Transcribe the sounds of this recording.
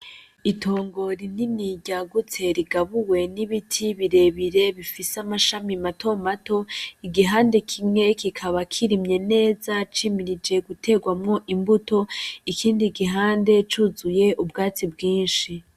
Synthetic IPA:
itʰo̞ːŋɡo̞ɾin̥iniɟaɡut͡se̞ɾiɡaβuwe̞niβitʰiβiɾe̞βiɾe̞βifisamaʃamimato̞mato̞iɡiɦaːnde̞kʰimŋe̞kikʰaβakʰiɾimɲe̞ne̞ːzat͡ʃimiɾid͡ʒeɡutʰe̞ɡwamŋo̞ʔimbuto̞ikʰiːndiɡiɦaːnde̞t͡ʃuzuje̞ʔubɡaːt͡sibɡiːnʃi

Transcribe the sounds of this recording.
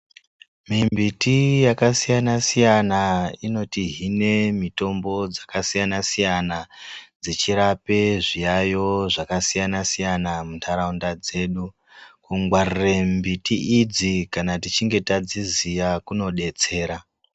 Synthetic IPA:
mimbitijakasijanasijanaino̞tiɦine̞mito̞mbo̞d͡zakasijanasijanad͡zit͡ʃiɾape̞ʐijajo̞ʐakasijanasijanamuntʰaɾaundad͡ze̞ːɗu | kuŋɡwarire̞mbitiʔːd͡zikanatit͡ʃiŋɡe̞tad͡zizijakuno̞ɗe̞t͡se̞ːɾa

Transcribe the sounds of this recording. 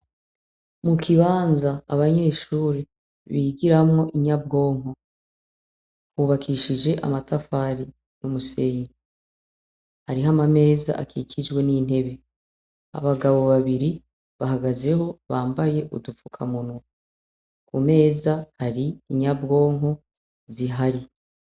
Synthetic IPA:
mukʰiβaːnzaːβaɲe̞ːʃuːɾe | βiːɡiɾamŋo̞ʔiɲabɡo̞ːŋ̥o̞ | kuːβakʰiʃid͡ʒe̞ʔa̰matʰafaːɾi | numuse̞ːɲe | haɾiɦamame̞ːza̰ʔa̰kḭːkid͡ʒwe̞niːn̥e̞βe̞ | a̰βaɡaβo̞βaβiɾi | βaɦaɡaze̞ho̞βaːmbaje̞ʔudufukʰamunwo | kume̞ːzahaɾiːɲabɡo̞ːŋo̞ | ziɦaɾi

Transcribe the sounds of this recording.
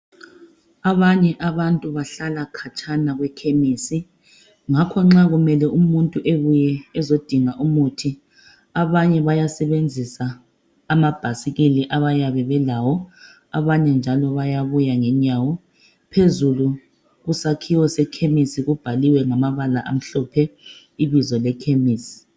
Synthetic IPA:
aβaɲɛʔaβantʼuβaɬalakʰat͡ʃʼanaɣwɛkʰemisi | ŋakʰɔŋ͡ǁaɣumɛlɛʔumuntʼuʔeβujɛːzod̥ʱiŋaʔumutʰi | aβaɲɛβajasɛβend͡zʱisaː | mab̥ʱasiɣiliʔaβajaβɛβɛlaːwɔ | aβaɲɛnd͡ʒʱalɔβajaβujaŋɛɲawɔ | pʰezulu | ɣusakʰiwɔsɛkʰemisiɣub̥ʱaliwɛŋamaβalaʔam̩ɬɔpʰɛ | iβizɔlɛkʰemiːsi̥

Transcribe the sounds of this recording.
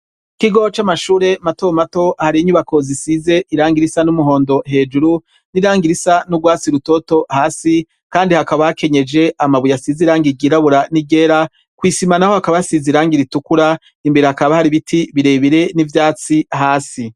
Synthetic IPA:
ikiɡo̞t͡ʃamaʃuːɾe̞matomato̞ahaɾiɲuβako̞zisize̞ʔiɾaːŋɡiɾisanumuɦo̞ːndo̞ɦe̞ːd͡ʒuɾu | niɾaːŋɡiɾisanuɡwaːt͡siɾuto̞to̞haːsi | kaːndihakaβaake̞ɲe̞d͡ʒe̞ʔamaβujasiziɾaːŋɡiɡiːɾaβuɾaniɡe̞ːɾa | kwiːsimanaho̞hakaβasiziɾaːŋɡiɾitukuɾa | imbeɾahakaβahaɾiβitʰiβiɾe̞βiɾenivjaːt͡siɦaːsi

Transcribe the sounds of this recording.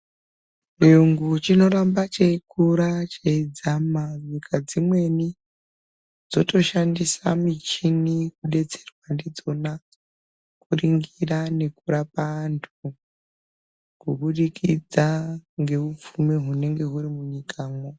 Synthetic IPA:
reŋɡut͡ʃino̞ɾambat͡ʃe̞ikuɾat͡ʃeid͡zamazikʰad͡zimwe̞ni | d͡zo̞to̞ʃandisa̰mit͡ʃinikuɗe̞t͡se̞rwandid͡zo̞na | kuriŋɡirane̞kuɾapantʰu | kuɓuɗikid͡zaŋɡe̞up͡fumiɦune̞ŋɡe̞ɦuɾimuɲikaːŋo

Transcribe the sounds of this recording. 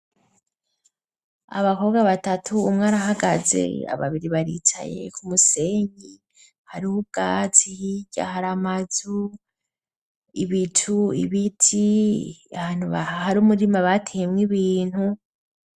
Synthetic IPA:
a̰βako̞ːbɡaβatatʰuːmŋaːɾaɦaɡaze̞̰a̰βa̰βiɾiβaɾḭt͡ʃa̰je̞̰kʰumuse̞ːɲi | haɾihub̚ɡ̥at͡sihiɟa̰ɦaɾamazu | iβitʰuḭβitʰiaaːnhuβahaɾuːmuɾimaβatʰejemŋiβiːn̥hu

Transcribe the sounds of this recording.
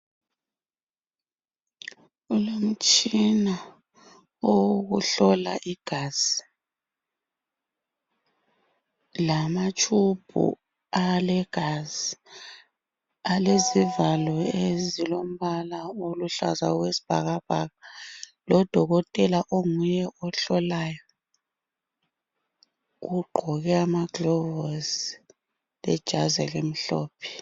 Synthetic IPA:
ulom̩t͡ʃʼina | oɣuɬɔla̰ʔiɡ̥ʱaːz̥i | lamat͡ʃʰʼub̥ʱṵ | alɛɡ̥ʱazi | alezivalɔezilom̩βalaoluɬa̰za̰wesi̥b̥ʱa̰ɣab̥ʱaɣalɔd̥ʱɔɣɔtʼɛlaʔoŋujɛɔɬɔlaːjɔ | ɣuɡ͡ǃʱɔɣɛamaɡ̥lɔvozi | ɛd̥ʒ̥ʱazɛlem̩ɬɔ̰ːpʰi̥

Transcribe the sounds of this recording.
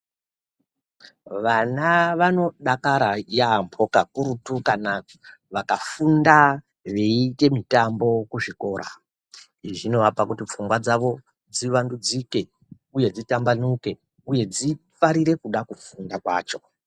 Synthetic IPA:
ʋanaʋano̞ɗakaɾajaːmpʰo̞kakuɾutukana | ʋakafunda | ʋe̞ite̞mitambo̞kuʐiko̞ːɾa̰ | ʐino̞ʋapakutip͡fumɡwad͡zaʋo̞ | d͡ziʋandud͡zike̞ | uje̞d͡zitambanuke̞ | uje̞d͡zifaɾiɾe̞kuɗakufundakwa̰ːt͡ʃo̞

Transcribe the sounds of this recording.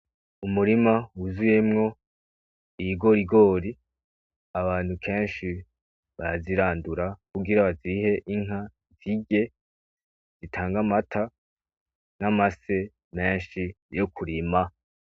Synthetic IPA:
umuɾimawuzuje̞mŋo̞ | ijiɡo̞ɾiɡo̞ːɾi | aβaːn̥hukʰe̞ːnʃi | βa̰aziɾaːnduɾakuɡiɾaβazihe̞ʔiŋ̥a | ziɟe̞ | z̥itʰaːŋɡamatʰa | namase̞ | me̞ːnʃi | jo̞kuɾima

